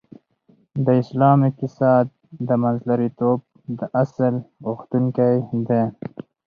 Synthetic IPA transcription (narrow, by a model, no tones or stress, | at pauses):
d̪əɪslɑːmɪk̚t̪ɪsɑːd̪̚ | d̪əmanzlaɾit̪ob̚ | d̪əʔasəlɣoxt̪uŋkajd̪e